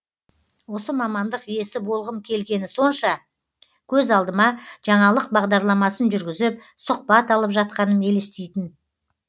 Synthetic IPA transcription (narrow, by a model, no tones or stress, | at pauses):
wo̞səmɑmɑnd̪əqije̞sɪbo̞lˠʁəmkʲʰe̞lɡʲe̞nɪso̞nʃɑ | kʲʰɵzɑlˠd̪əmɑʒ̥ɑɴɑlˠəq̚bɑʁd̪ɑɾlˠɑmɑsənʒʏɾɡʲɪzɪp̚ | soq̚pɑt̪ɑlˠəpʒɑt̪̚qɑnəne̞lest̪ejt̪ɪn